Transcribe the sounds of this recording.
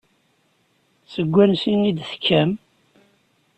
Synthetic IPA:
səɡʷːænsinid̪θə̥kːæm

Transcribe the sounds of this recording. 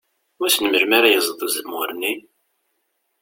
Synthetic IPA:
ʊæθnəməɾmaɾajəzˤðˤəzəmʊɾni

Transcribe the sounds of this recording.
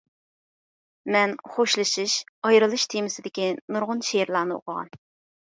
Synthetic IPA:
mɛnχoʃlˠɨʃɨʃɑjɾɨlˠɨʃt̪ʰemɪsɪd̪ɪkʲinuɾʁʊnʃeɾlˠɑːnɨo̰qʰəʁɑ̰n

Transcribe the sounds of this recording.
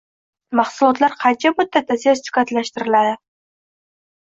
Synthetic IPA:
mɑχsʊlˠɒt̪laɾqʰɑnt͡ʃʰamʊd̪ːat̪ːasijast͡ʃ̪ʊ̥kat̪laʃt̪ɪɾɪlad̪ɪ

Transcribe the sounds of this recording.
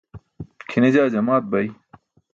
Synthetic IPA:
kʰined͡ʑaːd͡ʑɐmaːt̪̚bɐj

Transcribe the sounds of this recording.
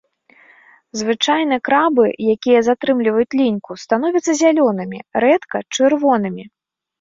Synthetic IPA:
zvɨt͡ʂajn̪ɨkɾabɨjakʲijɐzat̪ɾɨmlʲivɐjut͡sʲlʲinʲkust̪an̪ɔvʲit̪sɐzʲalʲɔnɨmʲḭɾɛt̪kɐt͡ʂɨrvɔn̪ɨmʲi

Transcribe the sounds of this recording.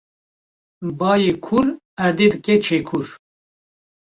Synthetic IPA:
bɑːjeːkʰuɾ | æɾd̪eːd̪ɨkɛt͡ʃʰeːkʰuɾ

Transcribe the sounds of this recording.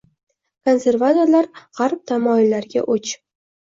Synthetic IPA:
kʰo̞nse̞ɾvat̪oɾlaɾʁɑɾp̚t̪ʰamɒɪlːaɾɡʲa̰ʔot͡ʃ

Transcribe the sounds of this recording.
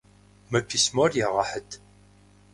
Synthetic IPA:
mækːismʊɾjiʁəħəd̪

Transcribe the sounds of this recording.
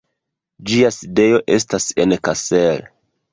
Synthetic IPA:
d͡ʒiaside̞jo̞ʔe̞stase̞nkasel

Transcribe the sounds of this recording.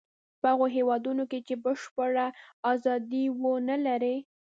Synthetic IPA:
pəaɣoɦewɑd̪unoket͡ʃebəʃpəɽaɑzɑd̪iwənalaɾe

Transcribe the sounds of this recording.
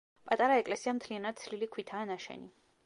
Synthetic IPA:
pʼat̪ʼaɾaɛkʼlɛsiamt̪ʰlianad̪̚t̪sʰlilikʰwit̪ʰaːnaʃɛ̰ni

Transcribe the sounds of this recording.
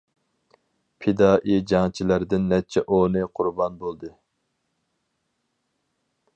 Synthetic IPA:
pʰɪd̪ɑːʔid͡ʒɑŋt͡ʃʰilæɾd̪ɪnːɛt̪̚t͡ʃʰɛʔonɨqʰʊɾbɑnbolˠd̪ɨ

